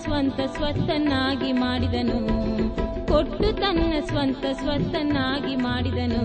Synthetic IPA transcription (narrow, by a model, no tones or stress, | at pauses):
sʋɐnt̪ɐsʋɐt̪ːɐnːaːɡimaːɽid̪ɐnu | koʈːut̪ɐnːɐsʋɐnt̪ɐsʋɐt̪ːɐnːaːɡimaːɽid̪ɐnu